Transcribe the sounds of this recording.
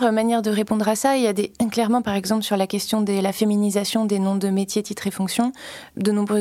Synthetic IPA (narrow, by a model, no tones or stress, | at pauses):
ʁmanjɛʁd̪əʁepɔ̃d̪ʁasailjad̪eɛ̃klɛʁmɑ̃paʁɛɡzɑ̃plsyʁlakʲɛst̪jɔ̃d̪elafeminizasjɔ̃d̪enɔ̃d̪əmet̪jet̪it̪χefɔ̃ksjɔ̃d̪ənɔ̃bʁø